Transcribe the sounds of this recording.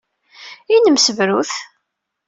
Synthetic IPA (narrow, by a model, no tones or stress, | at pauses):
inəmsəvɾuθ